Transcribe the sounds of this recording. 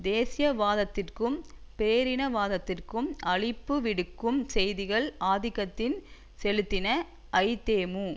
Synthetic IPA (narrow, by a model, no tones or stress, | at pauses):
d̪eːsɪjɐʋaːðɐt̪ːɪrkɯmpeːɾɪnɐʋaːðɐt̪ːɪrkɯmʔɐɭɪpːɯʋɪɽɯkːɯmsɛjðɪɣɐɭaːðɪɣɐt̪ːɪn | sɛlɯt̪ːɪnɐ | ʔɐɪt̪eːmu